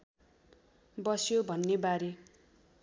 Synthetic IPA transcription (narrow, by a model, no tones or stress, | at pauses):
bʌsjobʱʌnːebaɾe